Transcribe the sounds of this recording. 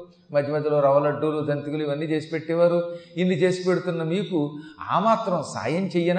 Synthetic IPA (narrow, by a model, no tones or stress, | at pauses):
mɐd̪ʱjɐmɐd̪ʱːɐloːɾɐʋɐlɐɖːulud͡ʒ̪ʱɐnt̪iɡuluiʋɐnːiːt͡ʃe̞ːsi̥peʈːɛʋaːɾuinːit͡ʃe̞ːsi̥pe̞ɽut̪unːɐmiːkua̰ːmaːt̪ɾɐmsa̰ːjɐmt͡ʃejːɐn